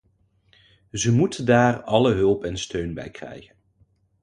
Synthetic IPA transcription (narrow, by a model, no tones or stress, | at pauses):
zəmutədaːrɑləɦɵlˠpɛnstøɥnbɛ̰jkrɛ̰jχən